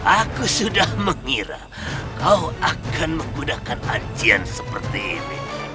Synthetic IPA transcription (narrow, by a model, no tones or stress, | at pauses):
ʔakusudahməŋiɾa̰ | kauakanməŋɡudakanaɲt͡ʃiansəpərt̪iːnḭ